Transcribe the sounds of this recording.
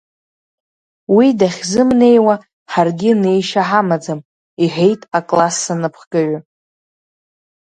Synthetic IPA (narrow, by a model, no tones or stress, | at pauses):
widaχʲzɨmne̞jwa | ħarɡʲɪne̞jʃaħamad͡zam | iħe̞jtʼakʼlasːanɨpʰχɡʼaɥʊ